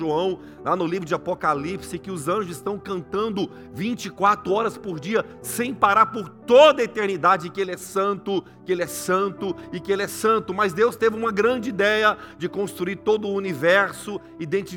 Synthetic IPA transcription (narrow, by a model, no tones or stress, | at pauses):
ʒoɐ̃w̃ | lanʊlivɾʊd͡ʒɪapokalipsɪkɪʊzɐ̃ʒʊzɪst̪ɐ̃w̃kɐ̃nt̪ɐ̃nd̪ʊ | vĩnt͡ʃɪkwat̪ɾʊɔɾɐspoɾd͡ʒiɐ | sẽj̃paɾaɾpoɾt̪od̪ɐet̪eɾnid̪ad͡ʒɪɪkɪelɪɛsɐ̃nt̪ʊ | kɪelɪɛsɐ̃nt̪ʊɪkɪelɪɛsɐ̃nt̪ʊmɐzd̪ewst̪evɪũmɐɡɾɐ̃d͡ʒɪid̪ɛjɐd͡ʒɪkõst̪ɾuiɾt̪od̪ʊʊːnivɛɾsʊ | id̪ẽnt͡ʃi